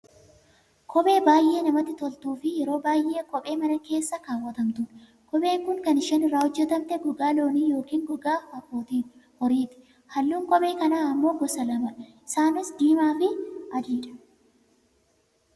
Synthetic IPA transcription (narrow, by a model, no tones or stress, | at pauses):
kʰɔɓʼe̞ːbaːjʔe̞ːnɐmɐt̪ːɪt̪ɔlt̪uːfɪjɛɾo̞ːbaːjʔeːkɔɓʼe̞ːmɐnɐke̞ːsːɐkaːwːɐt̪ɐmt̪ʊn | kɔɓe̞ːkʊŋkɐnɪʃɛːnɪrːaːhɔd͡ʒːɛt̪ɐmt̪ɛɡɔɡaːlo̞ːniːjo̞ːkiːŋɡɔɡaːhɐfoːt̪ihɔɾiːt̪ɪ̥ | hɐlːuːŋkɔɓʼe̞ːkɐnaːɐmːo̞ːɡɔsɐlɐmɐ | ɪsaːnɪsd̪iːmaːfɪɐd̪iːᶑɐ̥